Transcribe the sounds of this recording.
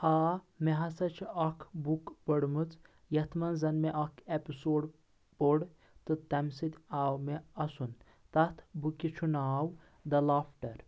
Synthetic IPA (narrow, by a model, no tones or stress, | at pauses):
aː | meɦɐsɐt͡ʃʰiɐkʰbukpɐɽmɨt͡s | jɐt̪ʰmɐnzɐnmeʔɐkʰepisoːɖ | poɽ | t̪ɨt̪ɐmsɨt̪ʲaːwmeɐsun | t̪ɐt̪ʰbukit͡ʃʰunaːw | d̪ɐlaːpʰʈɐɾ